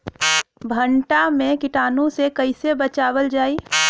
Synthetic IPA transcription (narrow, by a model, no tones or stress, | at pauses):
bʱəɳʈamẽkɪʈaːnõsekəɪsebət͡ʃaːwəld͡ʒaːi